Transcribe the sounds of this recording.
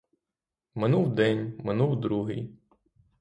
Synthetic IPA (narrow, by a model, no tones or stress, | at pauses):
mɪnuwd̪ɛnʲmɪnuwd̪ɾuɦɪ̰j